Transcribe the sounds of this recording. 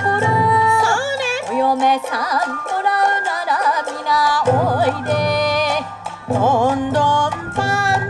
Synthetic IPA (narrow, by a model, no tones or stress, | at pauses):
oɾo | ɾeojomesampoɾaɯnaɾamʲinaoid̪e | ond̪ompa